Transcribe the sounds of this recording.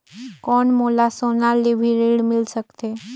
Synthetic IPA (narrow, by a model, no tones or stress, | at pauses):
kɔɳmolasonalibʱiɾiɽmilsəkt̪e